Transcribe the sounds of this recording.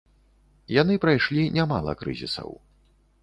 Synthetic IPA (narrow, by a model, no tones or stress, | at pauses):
jan̪ɨpɾajʂlʲinʲamalˠɐ̰kɾɨ̰zʲḭsɐ̰w